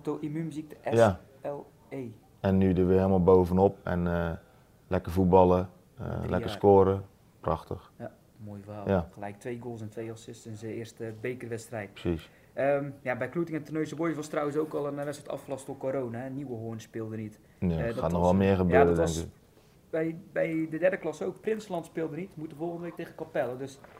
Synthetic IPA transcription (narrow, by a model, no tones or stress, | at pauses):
toimymyzik̚təʔɛja | ɛlˠ | ej | ɛnːydəʋəɪlˠmalˠboːwvənop̚ɛ̰nə | lɛkərfut̚bɑlˠə | ə̰lʔɛ̰kəskoːɾə | prɑxtəxja | mojvajaxəlɛjk̚tʋejɡolˠsɛntʋejɑsɪstənsɪərstbejkərʋɛtstrɛjt̚prə̥sis | əmjabɛjklutɪŋɛntərnøɥsəbojəʋɔstrawənsowkɔlˠənʋɛsʋɔtɑ̰fklˠɑstokoɾownaniwəɦoənspɪːlˠdənit | adaːtnɔxʋɛlˠmɪəxəbøaəɾədɛŋk | bɛjbɛjdədɛrdəklɑsowkprɪnsəlɑntspɪːlˠdənitmutəfolˠxəndəʋejk̚teːɣəkɔpɛlˠədøs